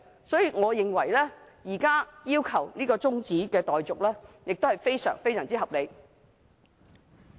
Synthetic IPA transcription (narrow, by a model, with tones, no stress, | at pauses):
sɔː˨˥jiː˨˧ŋɔː˨˧jɪ˨ŋwɐ˨˩jlɛː˥ | jiː˨˩kaː˥jiː˥wkʰɐ˨˩wniː˥kɔː˧t͡sʊ˥ŋt͡siː˨˥kɛː˧t̪ɔː˨jt͡sʊ˨k̚lɛː˥jɪ˨k̚t̪o˥hɐ˨˩jfe˥jsœ̰ː˨˩ŋfe˥jsœː˨˩ŋt͡siː˥hɐ˨p̚le˨˧j